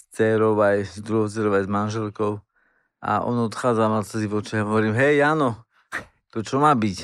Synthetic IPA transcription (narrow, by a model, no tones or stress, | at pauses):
st͡sɛɾɔʊajzd̪ɾuɦɔt͡sɛɾɔʊajzmanʒɛlkɔʊ | ʔa̰ʔɔ̰nɔt̪xaːd͡zamat͡sɛziʋɔt͡ʃɛɦɔɦɔʋɔɾiːmɦɛjanɔ | t̪ɔt͡ʃɔmaːbic